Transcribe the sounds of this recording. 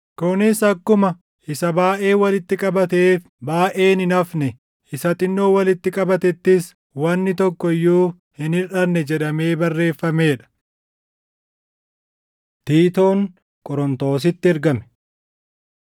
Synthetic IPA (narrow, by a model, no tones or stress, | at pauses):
kʊnɪsɐkːʊmɐ | ʔɪsɐbaːʔe̞ːwɐlɪt̪ːɪkʼɐbɐt̪̬e̞ːf | baːʔe̞ːnɪnɐfnɛ | ʔɪsɐt̪ʼɪnːoːwɐlɪt̪ːɪkʼɐbɐt̪ɛt̪ːɪs | wɐnːɪt̪ɔkːɔjːuː | hɪnɪᶑɐnːɛd͡ʒɛᶑɐme̞ːbɐrːe̞ːfːɐme̞ːᶑɐ̥ | t̪iːt̪o̞ːŋ | kʼɔɾɔnt̪o̞ːs̬ɪt̪ːɪɛɾɡɐmɛ̥